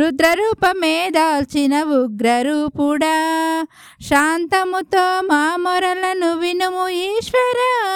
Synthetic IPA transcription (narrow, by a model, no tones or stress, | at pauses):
ɾud̪ɾɐɾuːpɐmeːd̪aːlt͡ʃinɐʋuɡɾɐɾuːpuɽɐ | ʃaːnt̪ɐmut̪oːmaːmɔɾɐlɐnuʋinumuiːʃʋɐɾɐ